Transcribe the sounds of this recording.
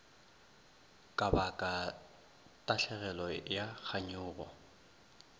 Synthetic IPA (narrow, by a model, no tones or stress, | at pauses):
kʼabakʼa | tʼaɬɛɣɛlɔjak͡xʰaɲʊːɣɔ̰